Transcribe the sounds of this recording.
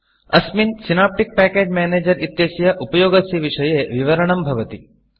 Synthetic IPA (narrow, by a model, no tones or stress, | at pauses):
ɐsminsinaːp̚ʈik̚pæːkeːd͡ʒmaːneːd͡ʒɐɾit̪ːjeːsɐjɐʔupɐjoːɡɐsiʋiʂɐjeːʋiʋɐɾɐɳɐmbʱɐʋɐt̪i